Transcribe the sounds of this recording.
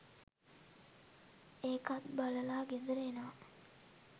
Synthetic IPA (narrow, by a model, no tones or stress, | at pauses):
eːkat̪baləlaːɡed̪əɾeːnəʋa